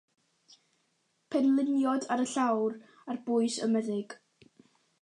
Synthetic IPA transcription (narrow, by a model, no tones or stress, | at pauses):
pʰɛnlˠɪnjɔdaɾəɬawr | arbʊɨsə̰məðɪɡ̥